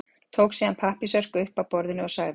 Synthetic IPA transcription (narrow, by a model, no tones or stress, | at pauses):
t̪ʰoːwksiːðanpʰahpisœr̥kʏʏhpawpɔɾðɪnɪɔsaɣðɪ